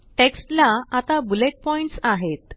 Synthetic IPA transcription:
ʈeksʈlaat̪abuleʈ̚pɔiɳʈsaɦet̪

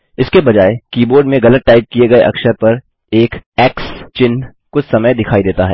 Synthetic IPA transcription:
ɪskebɐd͡ʒaːekiːboːɾɖmẽɣɐlət̪̚ʈaːɪp̚kieɡɐeʔɐ̰kʃəɾpɐɾ | eːkɛːkst͡ʃɪn | kʊt͡ʃsɐməjd̪ɪkʰaːid̪eːt̪aɦɛ̰ː

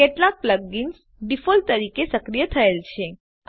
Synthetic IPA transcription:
keʈlak̚pləɡːins | ɖifolt̪əɾikesəkɾijət̪ʰəelt͡ʃʰe

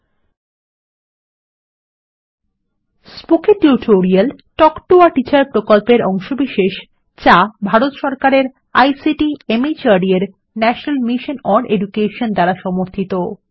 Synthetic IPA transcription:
spokeʈuʈʰoɾialʈɔkʈoaʈit͡ɕaɾpɾokolpeɾɔŋʃobiʃeʃ | t͡ɕabʱaɾot̪ʃɔɾkaɾeɾ | ajsiʈiemit͡ɕaɖieɾ | nɛʃonalmiʃonɔɾɖeɖukeʃond̪aɾaʃɔmoɾt̪ʰit̪o

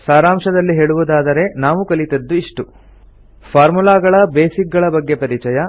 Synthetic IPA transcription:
saːɾaːmʂɐd̪ɐlːiɦeːɭuʋud̪aːd̪ɐɾe̞naːʋukɐlit̪ɐd̪ːuiʂʈu | pʰaːɾmulaːɡɐɭɐbeːsik̚ɡɐɭɐbɐɡːe̞pɐɾit͡ʃɐjɐ

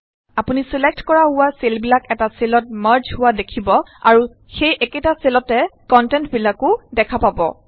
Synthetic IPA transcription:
apunisilek̚tkɔɹaɦʊwaselbilakɛtaselɔt̚maɹd͡ʒɦʊwadekʰibɔa̰ɹu | xejʔɛketaselɔtɛkɔntɛntbilakʊdɛkʰapabɔ̰

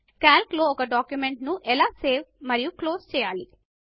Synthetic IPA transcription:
kaːlklo̞ːɔkɐɖaːkjumeɳʈnuʔɛlaːseːʋmɐɾijukloːst͡ʃɛːjaːli

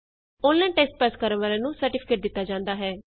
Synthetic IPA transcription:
oːlːɛ̃ːʈɛːsʈ̚pɛːskəɾənʋaːlãːnũːsəɾʈɪpʰɪ̥keːʈ̚d̪ɪt̪ːaːd͡ʒãːnd̪aːɦɛː

